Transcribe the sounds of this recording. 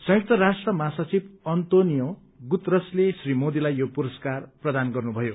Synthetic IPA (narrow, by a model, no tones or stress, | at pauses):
sʌ̃jʌk̚t̪ʌɾasʈrʌmasʌt͡sibʌnt̪onijo | ɡut̪rʌslesrimod̪ilajjopuɾʌskarprʌd̪anɡʌrnubʱʌjo